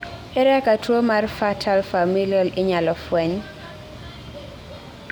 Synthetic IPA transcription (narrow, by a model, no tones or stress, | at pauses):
ɛɾɛkatwomarfatʰalfamilialɪɲalɔfwɛɲ